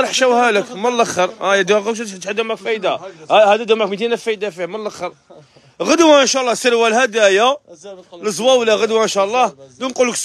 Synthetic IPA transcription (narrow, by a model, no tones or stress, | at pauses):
ɾˤəħʃæwhæləkməlːæxəɾˤæjæd̪uɣəʃ̬t̪ħd̪æmʕakfæjd̪ahæd̪æd̪ʊmʕakmit̪inæfæjd̪afihmənlːəxəɾˤ | ɣəd̪waənʃæʔlˤːɑsəɾwælhæd̪æja | ləzˤwæwlæɣəd̪waənʃæʔlˤːɑhd̪unqulːəks